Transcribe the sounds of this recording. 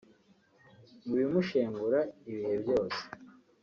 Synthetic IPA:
muβimuʃeːmbuɾaiβihe̞bjo̞ːse̥

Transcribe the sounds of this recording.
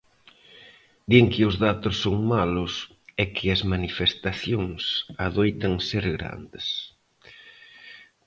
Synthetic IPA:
d̪eŋkɪʊzðat̪ʊsːoŋmalʊs | ɛkʰɪɐzmanifest̪aθjoŋsaðojt̪ɐŋseɾɣɾa̰nd̪ɪs

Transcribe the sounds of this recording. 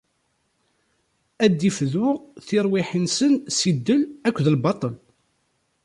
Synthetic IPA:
æd̪ːifðʊʁθɪɾˤwiħənsənsid̪ːəlækʷːðəlbɑt̪ˤəl

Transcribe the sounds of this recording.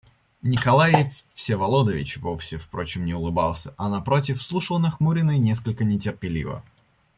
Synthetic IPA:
nʲɪkɐlˠajɪfsʲevɐlˠod̪əvʲɪ̰t͡ɕvofsʲɪfpɾo̞t͡ɕɪmnʲɪʊlˠɨba̰lˠsʲəʔɐnɐpɾot̬ʲɪfslˠuʂəlˠnɐxmuɾʲɪnənʲe̞s̬kəlʲkənʲɪtʲɪrpʲɪlʲḭvə̰

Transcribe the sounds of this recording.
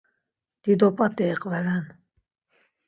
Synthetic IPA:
d̪̥id̪ɔpʼat̪ʼɛːqʼvɛlɛn

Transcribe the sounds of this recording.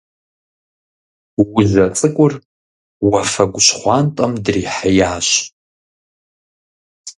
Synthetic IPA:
wʊʒɐt͡sʼɨkʷʼʊr | wɐfɐɡʷʊɕχʷɑːntʼɐmdriːħajaːɕ

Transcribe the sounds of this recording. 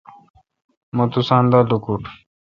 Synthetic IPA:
mot̪usãːnd̪alukuʈ

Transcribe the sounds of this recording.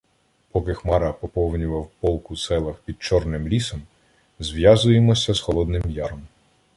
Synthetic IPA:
pɔkɪxmɑɾɐpɔpɔwnʲʊʋɐwpɔlˠkʊsɛlˠɐxpʲid̪̚t͡ʃɔrnɪmlʲisɔm | zʋjazʊjemɔsʲɐzxɔlˠɔd̪nɪmjɑɾɔm

